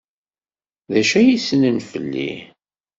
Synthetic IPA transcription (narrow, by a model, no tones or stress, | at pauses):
ðæʃæjisənənfə̰lːḭ